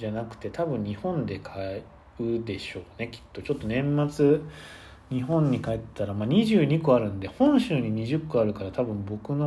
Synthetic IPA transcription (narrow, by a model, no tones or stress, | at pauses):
d͡ʑanakɯ̟̥t̪e̞t̪ʰabɯ̟̃ɲ̟ːɲihõ̞nd̪e̞kʰae | ɯ̟d̪e̞ɕo̞ːne̞kʲi̥t̪ːo̞t͡ɕo̞t̪ːo̞nẽ̞mːat͡sɨ | ɲ̟iɦõ̞ɲ̟ːikaett̪ːaɾamaɲ̟iʑɨːɲ̟ikɯaɾɯ̟̃nd̪e̞hõ̞ɰ̃ɕɨːɲ̟iɲ̟iʑɨkːɯaɾɯ̟kaɾat̪abɯ̟̃mbo̞kɯ̟no